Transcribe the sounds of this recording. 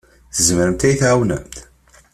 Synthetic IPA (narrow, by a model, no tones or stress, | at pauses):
θəzməɾəmt̪æjθʕawnə̰mt̪